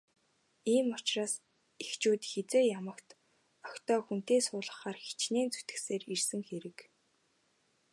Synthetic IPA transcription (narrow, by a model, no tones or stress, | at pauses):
iːmʊt͡ɕraːs | ext͡ɕuːt̪xet͡seːjamə̆kt̪ | ɔkt̪ɔːxun̥t̪eːsʊːɮə̆χaːrxi̥t͡ɕneːnt͡su̥t̪ɘ̆xseːrirsɘ̆ŋxeɾɘ̆k